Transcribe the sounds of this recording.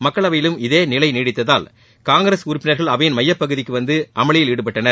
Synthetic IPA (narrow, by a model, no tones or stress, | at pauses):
mɐkːɐɭɐʋɐjɪlɯmɪðeːnɪlɐɪniːɽɪt̪ːɐðaːl | kaːŋɡɾɐsʊɾʊpːɪnɐɾɣɐɭɐʋɐjɪnmɐjːɐpːɐɣɯðɪkːɯʋɐnd̪ɯʔɐmɐɭɪjɪliːɽɯpːɐʈːɐnɐ